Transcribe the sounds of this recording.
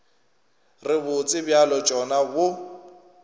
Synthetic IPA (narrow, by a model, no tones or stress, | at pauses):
rɪbʊt͡sʼɪbjalɔd͡ʒɔnabʊ